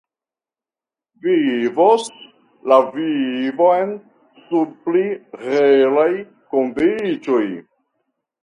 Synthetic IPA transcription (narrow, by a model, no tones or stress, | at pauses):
vivos | lavivoen | subpliɾelaj | kondit͡ʃoj